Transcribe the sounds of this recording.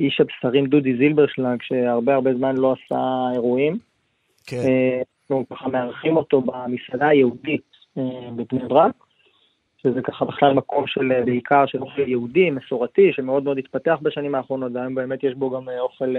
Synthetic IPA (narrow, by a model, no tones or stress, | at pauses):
iʃabsaʁimd̪ud̪izilbeʁʃlaŋɡʃe̞aʁbeaʁbe̞zmanlo̞asa̰e̞ʁuim | naχnukaχame̞aʁχimo̞t̪o̞bamisadaajeudit | ebepnebʁak | ʃezekaχabeχlalmako̞mʃelbeikʰaʁʃelo̞χeljeudimesoʁatiʃe̞me̞o̞d̪meo̞d̪it̪pateaχbaʃanimaːχʁo̞no̞t̪veajombe̞ːmet̪jeʃbo̞ɡamo̞χe̞l